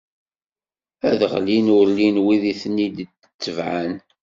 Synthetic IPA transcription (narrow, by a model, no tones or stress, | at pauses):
æðʁlinʊɾlinwiðiθnːid̪t͡sːə̥t͡sːəvʕan